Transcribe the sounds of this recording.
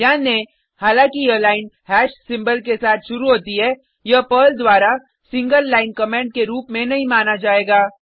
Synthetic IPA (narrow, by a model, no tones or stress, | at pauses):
jaːnẽ | haːlãːkiəlaːɪnhɛːʃsɪ̃mbəlkesaːt̪ʰʃʊɾuɦoːt̪iɦɛː | jɐpəːld̪waːɾa | sɪ̃ŋɡəlːaːɪnkɐmẽːɳɖ̚keɾuːpmẽnɐɦĩmaːnad͡ʒaːeːɡaː